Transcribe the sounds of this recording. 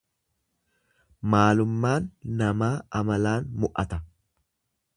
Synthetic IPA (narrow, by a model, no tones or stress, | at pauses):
maːlʊmːaːnːɐmaːɐmɐlaːnmʊʔɐt̪ɐ